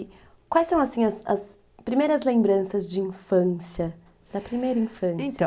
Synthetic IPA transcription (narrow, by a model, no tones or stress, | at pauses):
kwajsɐ̃w̃ɐsĩɲɐsɐ̰s | pɾimejɾɐzlẽmbɾɐ̃sɐzd͡ʒɪĩfɐ̃siɐ | d̪̥ɐpɾimejɾɐĩfɐ̃sjɐ̃